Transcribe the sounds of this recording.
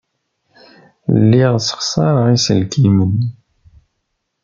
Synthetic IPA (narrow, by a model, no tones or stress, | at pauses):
lːiʁsə̥χsˤɑɾˤəʁisəlkimən